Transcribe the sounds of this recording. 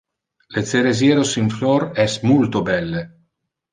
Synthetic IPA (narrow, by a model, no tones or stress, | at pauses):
let̪seɾezjeːɾosiɱflɔrɛsmult̪obɛlːe